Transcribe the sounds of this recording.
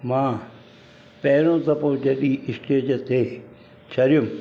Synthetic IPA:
mãː | pɛːɾõːt̪ɐpõːd͡ʒeɗiːʔɪsʈeːd͡ʒt̪ʰeː | t͡ʃʰɐɾjum

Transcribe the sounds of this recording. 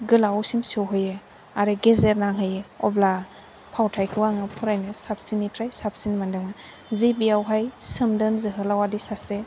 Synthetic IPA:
ɡɯlawsimsowɦɯjɯ | aɾeɡezeɾnaŋɦɯjɯɔ̰bla | pʰawtʰajkʰɯwaŋɯpʰuɾajnɯsap̚sinitʰɾajsap̚sinmandɯŋa | zibiawɦajsɯmdɯnzɯɦɯlawadisase

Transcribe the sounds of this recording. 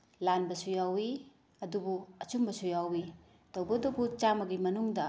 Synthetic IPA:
lanbɐsujawi | ɐdubuɐt͡ʃumbɐsujawi | tɐwbɐdɐbut͡ʃamɐɡimɐnuŋdɐ

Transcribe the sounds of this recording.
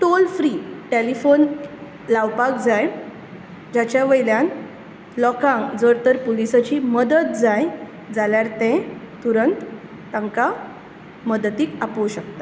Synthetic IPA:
ʈolfɾiʈelifon | laʋpak̚d͡zaj | d͡ʑat͡ɕjaʋəjljãn | lɔkãŋkd͡zəɾt̪əɾpolisat͡ɕiːməd̪ət̪̚d͡zaj | d͡zaljaɾt̪ɛ̃ | t̪uɾənt̪ː | ãŋka | məd̪t̪iːkapowɕəkt̪a

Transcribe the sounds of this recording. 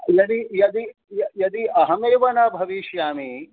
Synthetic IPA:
jɐd̪ijɐd̪i | jɐjɐd̪iɐɦɐmeːʋɐnɐbʱɐʋiːʃjaːmi

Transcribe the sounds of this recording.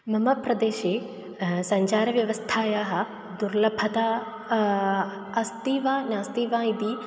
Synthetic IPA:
mɐmɐpɾɐd̪eːʃeː | sɐ̃ɲt͡ʃaːɾɐʋjɐʋɐst̪ʰaːjaːɦɐ | d̪uɾlɐbʱɐt̪aː | ɐst̪iːʋãːnãːst̪iːʋãːid̪iː

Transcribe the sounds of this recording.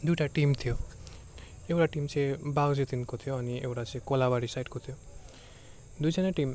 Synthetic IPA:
d̪ujʈaʈimt̪ʰijo | ewʈaʈimsʰebaɡzet̪inkot̪ʰijoaniḛwɾasʰekɔlabaɽisajʈkot̪ʰio | d̪ujsanaʈim

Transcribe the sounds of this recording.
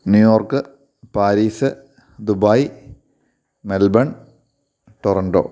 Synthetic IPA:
njujo̞ːrkɨ | paːɾiːsɨ | d̪ubaːj | melbɐɳ | ʈorɐɳɖo̰ː

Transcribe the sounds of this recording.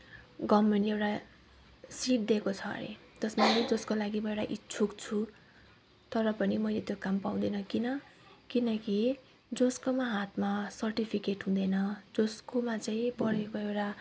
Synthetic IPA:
ɡʌmːʌniewʈa | siʈ̚d̪ekot͡sʰʌ̰nḛt̪ʌsmaled͡zʌskolaɡimʌewʈaʔit͡sʰukt͡sʰu | t̪ʌɾʌpʌnimʌjlet̪jokampaw̃d̪ʌnʌkinʌkinʌki | d͡zoskomaɦat̪ʰmasʌrʈipʰikeʈɦũd̪ʌnʌd͡zoskomat͡saĩpʌɽekoewʈa

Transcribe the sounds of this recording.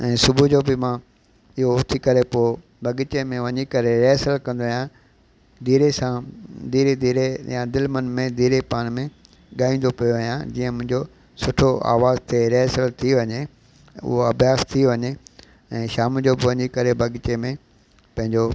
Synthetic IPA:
ɛ̃ːsʊbud͡ʑobɪmã | ɪɦot̪ʰikɐɾepo | bʱɐɠɪt͡ɕemẽʋɐɲikɐɾeɾeːsəlkɐ̃nd̪oijã | d̪iːɾesãd̪iːɾed̪iːɾejãd̪ɪlmənmẽd̪iːɾepaːɽ̃mẽ | ɠaːĩːn̆d̪opijoʋɦijãd͡ʑiːə̃mʊ̃ɦɪ̃ɲd͡ʑo | sʊʈʰoa̰ːʋaːzt̪ʰeɾeɦsəlt̪ʰiʋɐɲe | ʊ̰ɦoɐbʱijaːst̪ʰiʋɐɲe | ɛ̃ːʃaːmd͡ʑobɪʋɐɲikɐɾebʱɐɠɪt͡ɕemẽ | pɐ̃ɦɪ̃ɲd͡ʑo

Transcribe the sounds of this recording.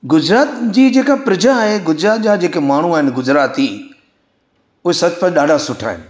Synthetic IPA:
ɡʊd͡ʑɾaːt̪d͡ʑiːd͡ʑeːkapɾɐd͡ʑaːɦeɡʊd͡ʑɾaːt̪d͡ʑad͡ʑeːkemaːɳ̤uaːɦɪnɪ̆ɡʊzɾaːt̪i | ʊɦesɐt͡ɕpɐ̃ɗaːɖʱasʊʈʰa̰ːɦɪ̰nɪ̆

